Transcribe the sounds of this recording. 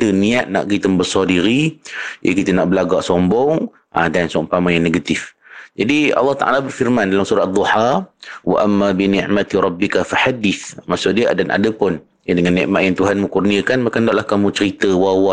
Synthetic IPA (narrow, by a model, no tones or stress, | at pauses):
t̪əniaʔ̪̚na̰ʔɡit̪əmbəsɔdiɾijʔə̰kit̪ənaʔbəlaɡaʔsɔmbɔŋ | ʔadansɔŋpamajaŋneɡat̪ɪfd͡ʒadiɑ̰lːɑht̪a̰ʔa̰labərfirmandalamsuɾat̪ad̪ˤːuħawa̰ʔamːabinɪ̃ʕmat̪iɾˤɑbːɪkafaħadɪθmaʔsʊʔdiadanʔa̰dəpʊn | jadəŋanːɛ̰ʔmaʔjaŋt̪uɦanməŋkurniakanmakandaʔlahkamũt͡ʃəɾit̪əwawa